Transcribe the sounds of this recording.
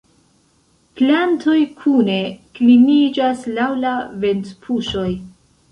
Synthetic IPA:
planto̞jkʰune̞klimid͡ʒaslawlave̞ntpʰuʃo̞j

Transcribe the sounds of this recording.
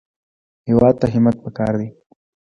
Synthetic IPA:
hɪwat̪aɦɪmat̪̚pakaɾd̪i

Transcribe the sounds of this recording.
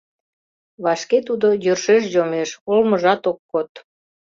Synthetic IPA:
βɑʃket̪ud̪ojørʃeʃ̬jomeʃolməʒɑt̪okːot̪

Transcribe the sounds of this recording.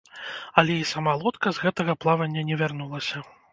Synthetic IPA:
ɐlʲɛisamalˠɔt̪kɐzɣɛt̪ɐɣɐplˠavɐnʲːɐnʲɛvʲarnulˠɐsʲɐ

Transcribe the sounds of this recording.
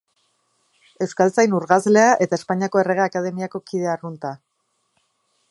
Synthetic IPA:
e̞skalt͡sajnuɾɣazle̞aʔe̞t̪aespaɲiako̞e̞re̞ɣ̞eaːkað̞e̞miako̞kiðe̞arunt̪a

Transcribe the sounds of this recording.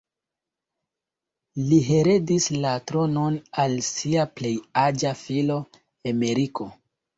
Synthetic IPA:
liɦe̞ɾe̞dislatɾo̞no̞nalsiaple̞jad͡ʒafilo̞ | emeɾiko̞

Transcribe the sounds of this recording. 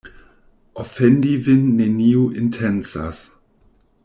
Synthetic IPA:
ʔɔfɛndivɪnːeniuʔɪntʰɛnsa̰s

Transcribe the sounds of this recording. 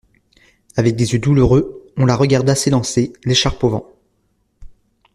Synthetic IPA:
avɛk̚d̪ezjød̪uluʁøɔ̃laʁəɡaʁd̪aselɑ̃seleʃaʁpovɑ̰̃

